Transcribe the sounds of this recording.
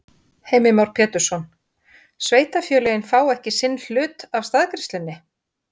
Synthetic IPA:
hejmɪmawɾ̥pʰjɛːt̪ʏɾ̥sɔn | sveːjt̪afjœːlɛjɪnfaːwɛhcɪsɪnːl̥ʏːt̪av̥st̪aðkɾɪst̪lɪnːɪ

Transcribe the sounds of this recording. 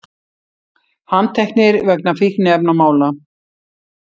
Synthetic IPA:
hanːt̪ʰɛhknɪɾvɛknafihnɪɛpnamaːwla

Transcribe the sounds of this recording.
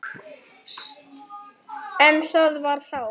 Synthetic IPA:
ɛnsœðvaɾ̥θaw

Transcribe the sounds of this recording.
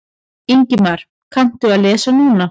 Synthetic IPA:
iɲcɪmaɾ̥ | kʰan̥t̪ʏaðlɛːsanuːna

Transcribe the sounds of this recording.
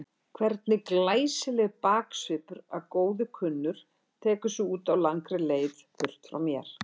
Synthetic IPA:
kʰvɛɾt̪nɪklaːjsɪlɛɣpaːksʏpʏɾaðkoːwðɪkʰʏnːʏɾ̥ | t̪ʰɛːkʏsʏuːt̪awlaŋkɾɪleːjθfʏr̥t̪fɾa̰wmjɛɾ̥

